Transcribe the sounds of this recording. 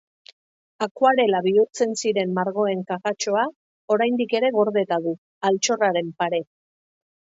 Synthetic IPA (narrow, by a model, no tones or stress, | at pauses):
akwaɾe̞laβiuɾt͡se̞nsiɾe̞mːaɾɣo̞e̞ŋkaɣat͡ʃo̞a | o̞ɾajnd̪ike̞ɾe̞ɣ̞o̞ɾðe̞t̪aðu | alt͡ʃo̞raɾe̞mpaɾe̞